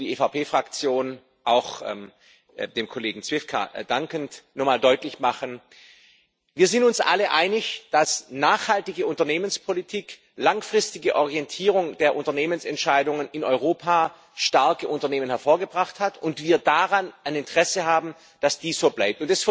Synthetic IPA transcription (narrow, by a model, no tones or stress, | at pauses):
d̥iːefapeːfʁ̥akt͡sjoːn | ʔaʊxɛm | deːmkʰoleːɡŋ̩t͡sv̥ɪfkʰa̰d̥aŋkəntnɔmaːldɔʏtlɪçmaχən | viːɐzɪntʊnsʔa̰ləʔa̰ɪnɪçd̥asnaːχhaltɪɡəʊntɐneːmənspʰolitʰiːk | laŋfʁ̥ɪstɪɡəʔɔʁijɛntʰiːʁ̞ʊŋd̥eːɐʔʊntɐneːmənsɛntʃaɪdʊŋənɪnɔʏʁ̞oːpʰaː | ʃtaɐkəʔʊntɐneːmənhɛɐfoːɐɡəbʁaχthatʊntv̥iːɐdaʁanaɪnɪntə̥ʁ̥ɛsəɦaːbm̩ | d̥asd̥iːsz̥oːblaɪp̚tʊntɛs